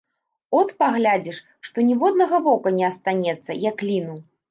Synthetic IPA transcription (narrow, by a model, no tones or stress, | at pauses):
ɔt̪paɣlʲad͡zʲiʂ | ʂt̪ɔnʲivɔd̪̚nɐɣɐvɔkɐnʲɛɐst̪anʲɛt̪sːɐjɐklʲinu